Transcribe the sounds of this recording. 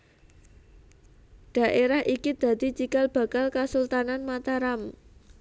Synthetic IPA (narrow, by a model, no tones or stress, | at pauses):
ɖ̥ä̤ʔeɾaɦʔikid̪̥ä̤d̪̥i̤t͡ʃikalb̥a̤kalkasult̪ananmat̪aɾam